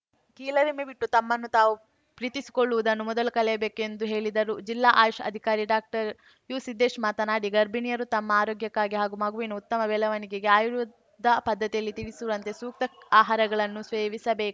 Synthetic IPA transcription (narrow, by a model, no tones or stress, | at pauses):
kiːlɐɾemebiʈːut̪ɐmːɐnːut̪aːʋu | pɾiːt̪isi̥koɭːuʋud̪ɐnːumɔd̪ɐlukɐlɛjɐbe̞ːkuend̪uɦe̞ːɭid̪ɐɾud͡ʒilːaːʔaːjʂɐ̰d̪ʱikaːɾiɖaːk̚ʈɐɾ | juːsid̪ʱːeːʃmaːt̪ɐnaːɖiɡɐɾbinijɐɾut̪ɐmːɐaːɾoːɡjɐkːaːɡiɦaːɡumɐɡuʋinɐut̪ːɐmɐbɛːlɐʋɐniɡeɡeaːjɾu | d̪ɐpɐd̪ːɐt̪ijɐlːit̪iɽisuʋɐnt̪e̞suːk̚t̪ɐaːɦaːɾɐɡɐɭɐnːusʋeːʋisɐbe̞ːku